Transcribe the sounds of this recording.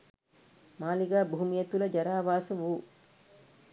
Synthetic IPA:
maːliɡaːbuɦumijɐt̪ulɐd͡ʒɐɾaːʋaːsɐʋuː

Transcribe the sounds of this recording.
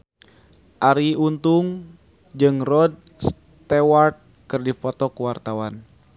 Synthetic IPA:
ʔaɾiunt̪uŋ | d͡ʒɨŋrɔd̚ | s | t̪ɛwart̪̚ | kɨrdifɔt̪ɔkuwart̪awan

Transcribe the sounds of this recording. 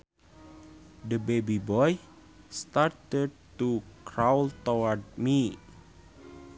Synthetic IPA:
dəbebibɔj | st̪art̪əd̚tukɾawlt̪owəd̚mi

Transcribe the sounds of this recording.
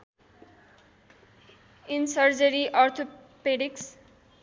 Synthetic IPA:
insʌɾd͡ʒəɾiʔɔɾt̪ʰopeɖiks

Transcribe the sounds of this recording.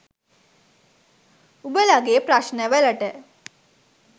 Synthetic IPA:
ubəlaɡeːpɾaʃnəʋələʈə

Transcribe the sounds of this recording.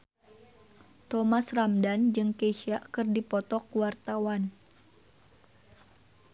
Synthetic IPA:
t̪ɔmasramdand͡ʒɨŋkeʃaʔkɨrdipɔt̪ɔkwart̪awan

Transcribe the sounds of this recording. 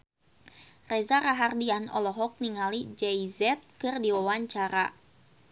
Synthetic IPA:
rɛzaɾaɦardianɔlɔɦɔk̚niŋalid͡ʒɛizɛt̪̚kɨrdiwawaɲt͡ʃaɾa

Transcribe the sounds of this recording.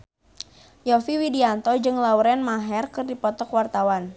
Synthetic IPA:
jɔfiwidiant̪ɔd͡ʒɨŋlauɾɛnmaɦɛrkɨrdipɔt̪ɔkwart̪awan

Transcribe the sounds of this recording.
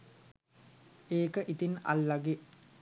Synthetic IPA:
eːkəʔit̪ina̰lːaɡe

